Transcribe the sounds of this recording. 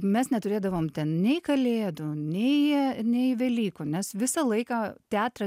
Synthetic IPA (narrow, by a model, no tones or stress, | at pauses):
mʲɛsnʲɛt̪ʊɾʲeːd̪ɐʋoːmt̪ʲɛnnʲɛɪkɐlʲeːd̪unʲɛɪnʲɛɪʋʲɛlʲiːkunʲɛsʋʲɪsɑlˠɐɪkɑːt̪ʲæːt̪rɐ